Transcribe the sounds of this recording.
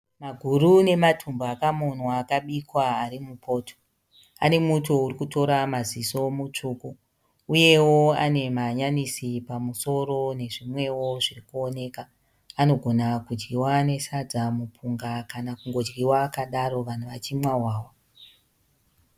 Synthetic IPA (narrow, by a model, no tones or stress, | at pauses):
maɡʱurune̞matʰumbaakamo̞nwaːkaɓikwaːɾimupʰo̞ːtʰo̥ | a̰ne̞muto̞uɾikuto̞ɾamaziso̞mut͡ʂuːku | uje̞wo̞ane̞maɲanisipamuso̞ɾo̞ne̞ʐimwe̞wo̞ʐirikuone̞ːkaː | no̞ɡʱo̞nakud͡ʒɡiwane̞sad͡zamupʰuŋɡakanakuŋɡo̞d͡ʒɡiwakaɗaɾo̞ʋan̤uʋat͡ʃimwawaːwa